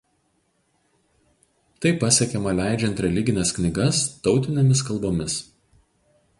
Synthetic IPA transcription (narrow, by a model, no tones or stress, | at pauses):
t̪ɐɪpːɐsʲɛkʲɛmɐlʲæˑɪd͡ʒʲɛnʲˑt̪ɾʲɛlʲɪɡʲɪnʲɛsknʲɪɡɐst̪ɒʊt̪ʲɪnʲemʲɪs̬kɐlˠboːmʲɪs